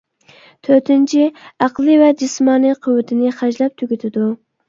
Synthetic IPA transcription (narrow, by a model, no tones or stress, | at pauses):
t̪ʰøɾt̪ʰɪnt͡ʃʰiæqlˠɨvɛd͡ʒismɑːniqʰʊwːɪt̪ʰɪnɪχæd͡ʒlɛp̚t̪ʰyɡʲyt̪ʰɪd̪u